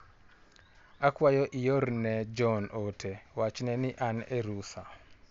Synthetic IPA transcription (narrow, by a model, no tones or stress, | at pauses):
akwajɔʔijoɾnɛd͡ʒɔnʔotʰɛwat͡ʃnɛnɪʔanɛɾusa